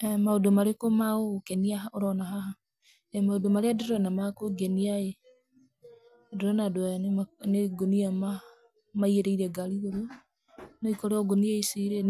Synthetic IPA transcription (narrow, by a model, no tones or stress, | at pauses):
ɛmaodomaɾekomaokɛniaaoɾɔnaɦaɦa | ɛmaodomaɾeadoɾɔnamakoɡɛniae | doɾɔnadoaanneɡoniama | maiɛɾɛiɾɛɡaɾioɾo | nɔikɔɾeɔɡoniaisiɾe